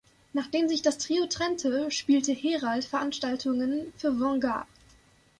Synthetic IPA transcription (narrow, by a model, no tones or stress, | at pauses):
naːχd̥eːmzɪçd̥astʁ̥iːotʁ̥ɛntʰəʃpiːltəheːʁaltfɛɐʔanʃtaltʰʊŋənfyːɐvɔŋɡa̰